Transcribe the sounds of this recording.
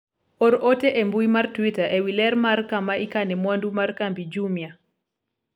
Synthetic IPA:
oɾʔoteʔembuimartwitaʔewilɛɾmarkamaʔikanɛmwandumarkambid͡ʒumja

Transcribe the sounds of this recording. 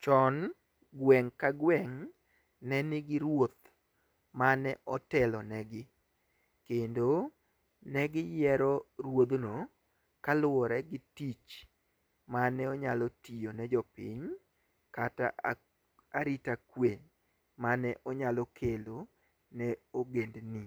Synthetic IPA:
t͡ʃɔn | ɡwɛŋkaɡwɛŋ | nɛnɪɡɪɾwot̪ | manɛʔɔtɛlɔnɛɡɪ | kendo | nɛɡɪjɛɾɔrwod̪no | kalʊwɔɾɛɡɪtit͡ʃ | manɛɔɲalɔtijonɛd͡ʒɔpḭɲ | kata̰ | aɾitakweɲ | manɛʔɔɲalɔkʰelo | nɛoɡendnɪ

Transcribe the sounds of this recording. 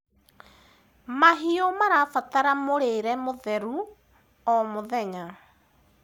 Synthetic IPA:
maɦiomaɾafataɾamoɾeɾɛmoðɛɾu | ɔmoðɛɲa

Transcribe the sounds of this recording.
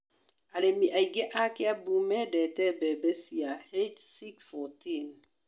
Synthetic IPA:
alemiʔaiɡɛʔakɪabumɛdɛtɛbɛbɛsiahed͡ʒsiksfɔtin

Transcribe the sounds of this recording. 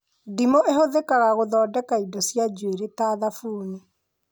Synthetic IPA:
dimoʔehoðekaɣaɣoðɔːdɛkaidɔsjad͡ʒweɾetaðafuːni

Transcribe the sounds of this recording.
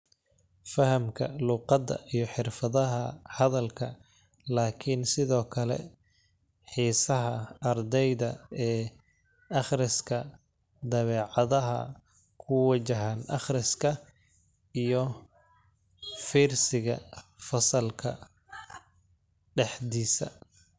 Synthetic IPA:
fɐhɐmkʰɐ̰luːqɑd̪ɐ̰ʔijɞħɪrfɐðɐɦɐhɐðɐlkʰɐ | laːkʰɪnsɪðɔːkʰɐlɛ̰ | ħiːsɐɦɐɐrd̪ɛjðɐɛː | ɑχrɪskʰɐ | d̪ɐβɛːʕɑðɐɦɐ̰ | kʰʊwɐt͡ʃɐɦaːnʔɑ̰χrɪskʰɐ | ijɔ | fiːrsɪɣɐ̰fɐsɐlkʰɐ̰ | ɖɛħd̪iːsɐ̰

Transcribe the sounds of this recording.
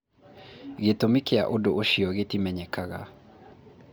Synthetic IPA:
ɣetomikea̰ʔodoʔoʃiɔɣetimɛɲɛkaɣa̰

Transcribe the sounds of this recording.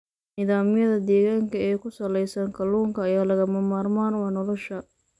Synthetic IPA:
niːðaːmɪjɐðɐd̪ɛːɣaːŋkʰɐɛːkʰʊsɐlɛjsɐŋkʰɐluːŋkʰɐːjaːlɐɣɐmɐmaːrmaːnwɑːnɔlɔʃɐ

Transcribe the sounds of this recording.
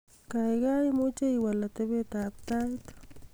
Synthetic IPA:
kajɢɑjmʊt͡ʃajiwalat̪ebet̪aːk̚t̪ajt̪ʊ̥

